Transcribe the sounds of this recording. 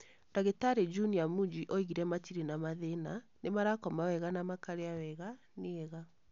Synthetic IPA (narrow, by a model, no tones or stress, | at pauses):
d̥aɣetaɾed͡ʒuniamud͡ʒiʔɔiɣiɾɛmatiɾinamaðenanemaɾakɔmawɛɣanamakaɾeawɛɣa | neɛɣa